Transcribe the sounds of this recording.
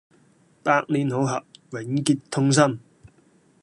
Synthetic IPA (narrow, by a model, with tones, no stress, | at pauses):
paː˧k̚liː˨˥nɦo˨˧˥wɦɐ̰˨p̚wɪ˨˥ŋkiː˧t̚t̪ʰːʊ˥ŋs̬ɐ˥˩m